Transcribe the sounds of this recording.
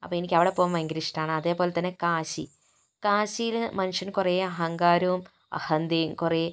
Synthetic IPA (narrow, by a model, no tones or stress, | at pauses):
ɐpːoːenikʲːɐʋiɽepoːʋumɐŋɡiɾiʂi̥ʈaːɳɨɐðe̞ːpoːle̞t̪ːɐnːekaːɕḭ | kaːɕijilmɐnuʂɐnkurejɐɦɐŋɡaːɾɐʋum | ɐ̰hɐnd̪ejumkureː